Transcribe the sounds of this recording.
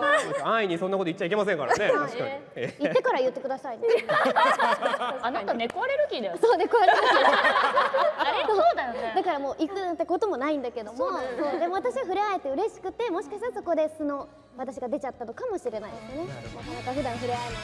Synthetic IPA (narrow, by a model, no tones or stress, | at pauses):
aiɲ̟isonako̞t̪oit͡ɕːaike̞masẽŋka̰ɾa̰neaiɕika̰ɲi | itːe̞kaɾajɯ̟t̪ːe̞kɯ̟d̪asaĩnd̪e | anaanekoaɾeɾɯ̟kʲid̪aosoːnekoaɾe | sod̪akaɾamo̞ːʔikɯnãnt̪ːako̞t̪o̞mo̞naĩnd̪ake̞d̪o̞mod̪e̞mo̞at̪aɕiɡaɸɯ̟ɾeae̞t̪ːeɯ̟ɾe̞ɕi̥kɯ̟t̪e̞mo̞ɕikaɕt̪aɾaso̞ko̞d̪e̞sɨno̞ | at̪aɕiɡad̪e̞t͡ɕat̪ːano̞kamo̞ɕiɾe̞naid̪esnenãkaɸɯd̪ãɰ̃ɸɯ̟ɾeae